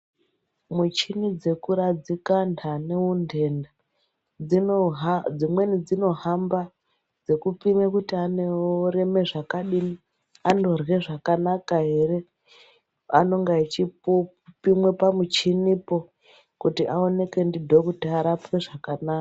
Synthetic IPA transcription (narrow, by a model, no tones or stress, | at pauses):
mut͡ʃinid͡ze̞kuɾad͡zikandaneunde̞nda | d͡zi | d͡zimwe̞nid͡zino̞ɦamba | d͡ze̞kupimekutianeoɾe̞me̞ʐakaɗini | ando̞rwe̞ʐakanakaɦe̞ɾe̞ | a̰no̞ŋɡait͡ʃipo | pimwe̞pamut͡ʃinipo | kutiʔao̞ne̞ke̞ndidʱo̞kutiaɾapweʐakanaːka